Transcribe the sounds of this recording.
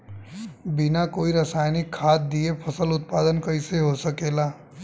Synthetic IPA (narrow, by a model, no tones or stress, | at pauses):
bɪnakoːiɾəsaːjnɪkʰːaːt̪̚d̪iepʰəsəlʊt̪̚paːd̪ənkəɪseɦosəkeːlaː